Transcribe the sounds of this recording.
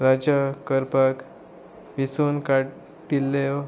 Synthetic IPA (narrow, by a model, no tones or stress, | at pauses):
ɾad͡ʑakəɾpak | ʋisunkaʈ | pilːe